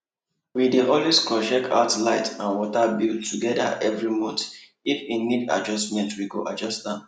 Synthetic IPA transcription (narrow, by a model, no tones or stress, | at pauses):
wideʔɔliskɔʃɛkʰa̰ʊtlaɪtãnwɔtabiltʰːuɡɛda̰ʔɛvɹimod | ifinida̰d͡ʒɔsmɛ̃ntwiɡoʔad͡ʒɔstdã